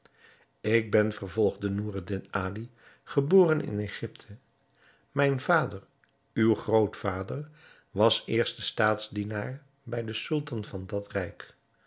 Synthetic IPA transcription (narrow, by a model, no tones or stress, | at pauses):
ɪɡ̚bɛnvəɹvɔlˠχdənuːrədɪnaːli | χəboːrənɪ̰nejχɪptʰə | mɛjnv̥aːdəɹ | ywχrowtfaːdər | ʋɑsɪːɹstəstaːtzdinaːɹ | bɛjdəsɵlˠtɑnvɑndɑtrɛjk